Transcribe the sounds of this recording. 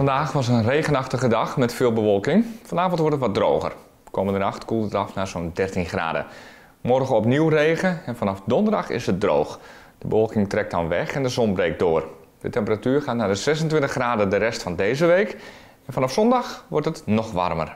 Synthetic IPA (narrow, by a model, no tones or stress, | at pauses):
fɑndaːxʋɑsənrejɣənɑxtəɣədɑxmɛtfɪːlˠbəʋɔlˠkɪŋfɔnaːvɔntʋɔɹtətʋɔt̚droːɣə̰r | ʋəkoːməndənɑxtkulˠəɑfnaːzondɛrtinxra̰ːdə̰ | mɔrɣəɔpniwreːɣəɛnfɑnɑfdɔndərdɑxɪ̰sət̚dro̰ːwx | d̥əbəʋɔlˠkɪŋtrɛk̚tdɑnʋɛxɛndəzɔnbrejk̚doːr | dətɛmpəratyːrxaːtnaːdəzɛsəntʋɪntəχraːdədəɾɛstfɑndejzəʋeːk | ɛnfɑnɑfsɔndɑxʋɔrtətnɔxʋɑ̰rmə̰r